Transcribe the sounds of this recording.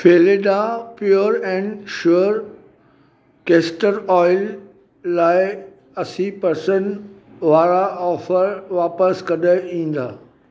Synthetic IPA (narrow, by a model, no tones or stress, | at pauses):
feːleɖãpjoːɾɛ̃ːnʃuəɾ | keːsʈəɾɔːɪlː | aːɪ | ɐsipɐɾsən | ʋaːɾaɔːfəɾʋaːpəskɐɗəĩːn̆d̪aː